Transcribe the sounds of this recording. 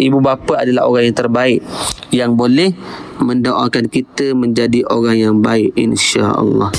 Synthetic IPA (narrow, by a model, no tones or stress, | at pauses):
ʔibubapəadalaɦo̰ɾaŋjaŋt̪ərbaɪʔjaŋbolɛhməndoʔakankit̪əmə̃ɲd͡ʒadiʔoɾaŋjaŋbaɪʔḭnʃa̰ʔɑ̰lːɑ̰h